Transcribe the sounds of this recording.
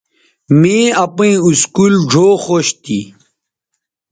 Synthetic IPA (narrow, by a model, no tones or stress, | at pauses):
mẽɐpĩĩuskuːld͡ʑʱoːxoɕt̪ḭ